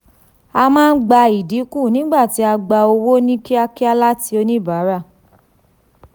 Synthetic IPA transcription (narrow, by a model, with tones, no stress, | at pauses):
a˧mãː˦˧n̩˦ɡ͡ba˧i˨di˨˦ku˦˨nĩ˦ɡ͡ba˦˨ti˨˦a˧ɡ͡ba˧o˧wo˦nĩ˦ki˦a˧ki˦a˧la˦ti˧˦o˧nĩ˦˨ba˨˦ɾa˦˨